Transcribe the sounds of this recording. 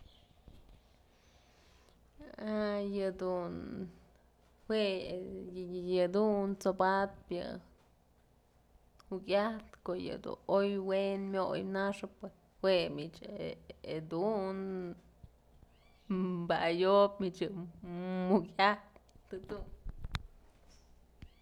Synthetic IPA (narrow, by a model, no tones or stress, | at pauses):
ajɨd̪un | hwe | jɨd̪unt͡sobat̪̚pjɨ̰ | hukʲaht̪koʔjɨ̰d̪ṵnojwenmʲojnaʂɨpːe | hwemit͡ʃeed̪un | bajopmit͡ʃjɨ | mukʲaht̪ːɨd̪un